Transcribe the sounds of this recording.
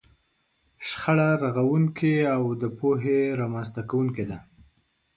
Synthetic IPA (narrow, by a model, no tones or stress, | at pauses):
ʃxaɽaɾaɣawuŋkʰeawd̪əpoɦeɾamanzt̪akawuŋked̪a